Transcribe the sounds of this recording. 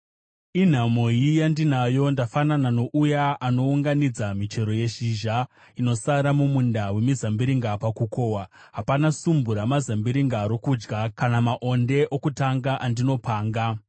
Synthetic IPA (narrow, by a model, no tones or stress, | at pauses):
in̤amo̞jijandinajo̞ndafananano̞ʔujaʔano̞uŋɡanid͡zamit͡ʃe̞ɾo̞je̞ʃiʒa | ino̞saɾamumundawe̞mizambiɾiŋɡapakuko̞wa | ɦapanasumbuɾamazambiɾiŋɡaɾo̞kud͡ʒɡakanamaʔo̞nde̞ʔokutaŋɡaʔandino̞paːŋɡa